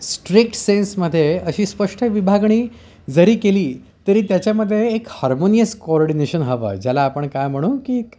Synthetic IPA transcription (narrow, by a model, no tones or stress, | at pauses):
sʈɾik̚ʈsensməd̪ʱːjeəɕiːspəʂʈʰəʋibʱaɡɳ̃iː | d͡zəɾiːkeliː | t̪əɾiːt̪jat͡ɕjaməd̪ʱːjeːkhaɾmonijəskoɔɾɖineɕənɦəʋə̰ːd͡ʑalaːpəɳkajm̤əɽ̃uːkik